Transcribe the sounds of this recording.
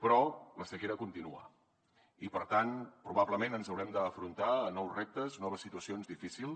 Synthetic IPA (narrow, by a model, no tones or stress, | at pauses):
pɾɔləsəkeɾəkunt̪inua̰ | ipəɾt̪anpɾuβ̞abləmenənzəwɾɛmd̪əːfɾunt̪aənɔwzrep̚t̪əznɔβ̞əsːit̪uəsionzðifisilˠ